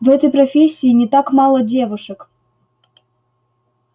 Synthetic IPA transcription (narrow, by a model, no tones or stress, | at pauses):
vɛt̪əjpɾɐfʲesʲːiːnʲɪt̪akmɑlˠədʲevuʂək